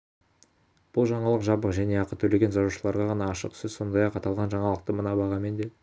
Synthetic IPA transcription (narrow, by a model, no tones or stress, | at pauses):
b̥ʊlˠʒɑɴɑlˠəqʒɑbəqʒæne̞ɑqət̪ʰɵle̞ɡʲe̞nzɑzuʃəlˠɑɾʁɑʁɑnɑːʃə̰qsɪzso̞nd̪ɑjɑqɑt̪ɑlˠʁɑnʒɑɴɑlˠəq̚t̪əmənɑbɑʁɑme̞nd̪e̞